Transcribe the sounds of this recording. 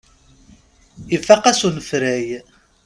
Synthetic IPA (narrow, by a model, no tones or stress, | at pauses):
ifæqæsunəfɾæj